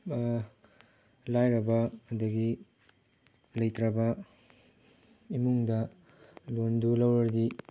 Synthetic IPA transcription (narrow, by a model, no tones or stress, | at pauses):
lajɾɐbɐːdɐɡi | lɐjtɾɐbɐ | imuŋdɐ | londulɐwɾɐɾdi